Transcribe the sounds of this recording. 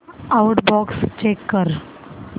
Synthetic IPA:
awʈbɔkst͡ɕekːəɾ

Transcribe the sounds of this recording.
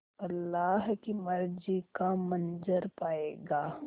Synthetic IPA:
ɐlːaːɦkimɐɾd͡ʒikamɐ̃nd͡ʒəɾpaːeːɡaː

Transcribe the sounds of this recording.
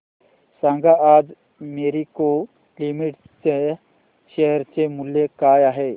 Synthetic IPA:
sãːŋɡaaːd͡ʒ | meːɾiko | limɪʈ | t͡ʃe | ʃeɦɾt͡ʃemʊljekaːjaːɦe

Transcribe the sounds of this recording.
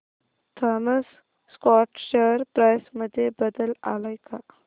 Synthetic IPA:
t̪ʰaməs | skɔʈɕəɾpɾajsməd̪ʱːjebəd̪əla̰lajka

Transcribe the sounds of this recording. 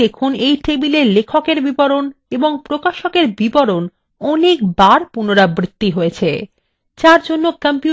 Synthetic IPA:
ekʰunejʈebileɾlekʰokeɾbibɔɾoneboŋpɾokaʃokeɾbibɔɾon | ɔnek̚baɾpunoɾabɾit̪ːiɦojet͡ɕʰḛ | t͡ɕaɾd͡ʑonːokampiu

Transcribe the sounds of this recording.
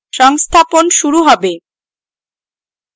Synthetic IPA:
ʃɔŋst̪ʰaponʃuɾuɦɔbe

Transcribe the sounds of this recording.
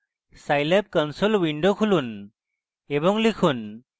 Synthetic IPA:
sajlep̚kɔnsɔlwinɖokʰulun | ɛbɔŋlikʰun

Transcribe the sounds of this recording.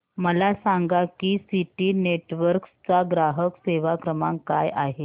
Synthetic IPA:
məlasaŋɡakiːsiʈiːneʈʋəɾkst͡saɡɾaɦəkseʋakɾəmaŋkajʔaɦe

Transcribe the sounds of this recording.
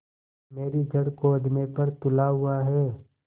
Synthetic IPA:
meːɾid͡ʒɐɽkoɐd̪nepɐɾt̪ʊlaɦʊaɦɛː

